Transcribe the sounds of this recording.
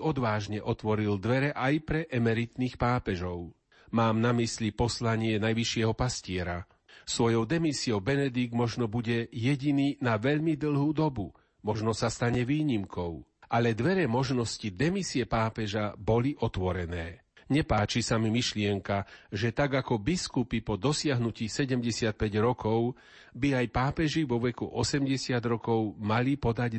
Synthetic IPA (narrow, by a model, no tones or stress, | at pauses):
ɔd̪ʋaːʒɲɛʔɔt̪ʋɔɾild̪ʋɛɾɛʔajpɾɛʔɛmɛɾit̪niːxpaːpɛʒɔʊ | maːmnamislipɔslaɲɪɛnajʋiʃɪɛɦɔpascɪɛɾa | sʋɔjɔʊd̪ɛmisiɔʊbɛnɛd̪iɡmɔʒnɔbuɟɛjɛɟiniːnaʋɛʎmid̪l̩ˠɦuːd̪ɔbu | mɔʒnɔsast̪aɲɛʋiːɲimkɔʊʔalɛd̪ʋɛɾɛmɔʒnɔscid̪ɛmisiɛpaːpɛʒabɔliʔɔt̪ʋɔɾɛnɛː | ɲɛpaːt͡ʃisamimiʃlɪɛŋkaʒɛt̪aɡakɔbiskupipɔd̪ɔsɪaɦnuciːsɛɟɛmɟɛsɪat̪̚pɛɟɾɔkɔʊ | biajpaːpɛʒiʋɔʋɛkuʔɔsɛmɟɛsɪad̪ɾɔkɔʊmalipɔd̪aɟ